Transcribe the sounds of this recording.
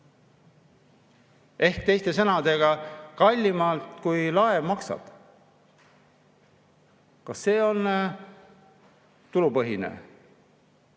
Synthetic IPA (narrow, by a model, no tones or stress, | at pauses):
e̞hkt̪e̞jst̪e̞sɤnɑd̪e̞ɡ̥ɑkɑlʲːimɑlt̪kujlɑevmɑksɑ̰d̪̥ | kɑsːe̞ːo̞n | t̪ulupɤɦinḛ